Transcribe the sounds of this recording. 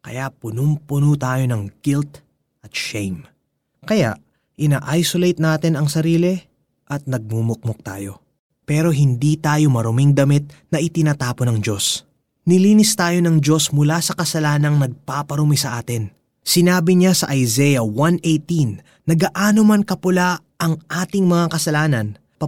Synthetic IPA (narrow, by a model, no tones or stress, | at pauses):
kɐ̰jaʔpʊnʊmpʊnut̪aːjo̞nɐŋɡ̥ilt̪ | ʔɐt̪̚ʃɛjm | kɐja̰ʔ | ʔɪnaːʔajsolejt̪̚naːt̪ɪnɐŋsɐɾiːlɛ | ʔɐt̪̚nɐɡ̚mumʊk̚mok̚t̪a̰ːjo̞̰ | pɛːɾo̞ɦɪnd̪it̪aːjo̞mɐɾʊmiŋd̪ɐmit̪̚nɐʔɪt̪ɪnaːt̪aːponɐŋd͡ʒo̞s | nɪliːnɪst̪aːjo̞nɐŋd͡ʒo̞smʊlasɐkɐsɐlaːnɐŋnɐɡ̚papɐɾʊmisɐʔaːt̪ɪn | sɪnaːbɪɲasɐʔɐjzɛjɐwanʔejt̪inː | ɐɡaʔaːnomɐnkɐpʊla | ʔɐŋʔaːt̪ɪŋmɐŋakɐsɐlaːnɐn | pɐ